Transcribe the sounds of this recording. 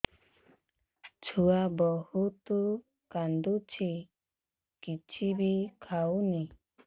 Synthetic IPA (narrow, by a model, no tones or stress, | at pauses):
t͡ʃʰuabɔhut̪u | kand̪ut͡ʃʰi | kit͡ʃʰibikʰawni